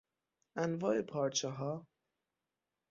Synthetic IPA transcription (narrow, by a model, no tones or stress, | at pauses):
ænvɒːepʰɒːɾt͡ʃʰeɦɒː